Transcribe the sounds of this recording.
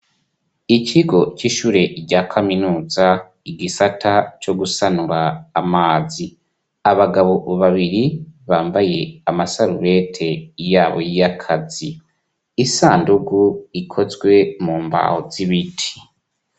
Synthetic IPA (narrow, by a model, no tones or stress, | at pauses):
iciɡo̞ciːʃuːɾe̞ɟaːkʰaminuːza | iɡisatʰat͡ʃo̞ɡusanuɾaːmaːzi | aβaɡaβoβaβiɾiβaːmbaje̞amasaɾuβe̞tʰe̞jaːβojijakʰaziː | saːnduɡuikʰo̞zɡwe̞muːmba̰hoz̥iβitʰi̥